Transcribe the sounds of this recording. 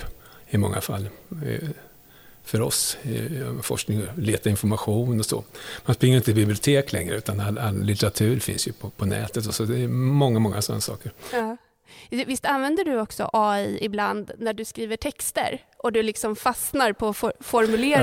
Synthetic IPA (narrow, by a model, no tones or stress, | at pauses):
ɪmɔ̰ŋːa̰fa̰lː | fœɾɔ̰s | fɔ̰ʂknɪŋleːt̪aɪnfɔɾmaɧuːnɔsɔ̰ːmanspɾɪŋːɾɪnt̪əbɪblɪʊt̪ʰeːklɛŋɾəʉ̟ːt̪analːalːɪt̪ɛɾat̪ʰʉ̟ːɾfɪ̰nsjɵpʰɔpʰɔnɛ̰ːt̪ət̪ɔsɔd̪ɛɛmɔŋːamɔŋːasɔ̰nːa̰sɑ̰ːkəɾ | vɪst̪anvɛnd̪əɖɵɔksɔ̰ʔɑːiɪbland̪næɖɵskɾiːvəʈʰɛkst̪ə̰ɾ | ʔɔd̪ɵlɪksɔmfasnaɾpʰɔfɔfɔɾmɵleːɾ